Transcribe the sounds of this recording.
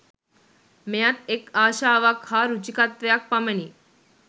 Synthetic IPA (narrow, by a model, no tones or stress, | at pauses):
mejat̪ekaɕaʋakʰhaɾut͡ɕikat̪ʋjak̚paməni